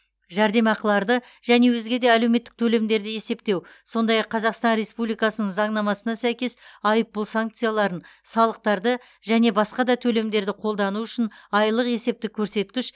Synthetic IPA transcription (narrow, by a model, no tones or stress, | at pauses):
ʒæɾd̪e̞mɑqəlˠɑɾd̪ə | ʒæne̞wɵzɡʲe̞d̪e̞ælewmet̪ːɪk̚t̪ʰɵle̞md̪e̞ɾd̪ɪje̞se̞pt̪e̞w | so̞nd̪ɑjɑqʰːɑzɑqst̪ɑnɾe̞spublijkɑsənəɴzɑɴnɑmɑsənɑsæjkʲe̞sɑjəpːəlˠsaŋk̚t̪sɨjalˠɑɾənsɑlˠəq̚t̪ɑɾd̪ə | ʒæne̞bɑsqɑd̪ɑt̪ʰɵle̞md̪e̞ɾd̪ɪqʰo̞lˠd̪ɑnuʏʃɪnɑjlˠəqe̞se̞p̚t̪ɪkʲʰɵɾse̞t̪kʲɪʃ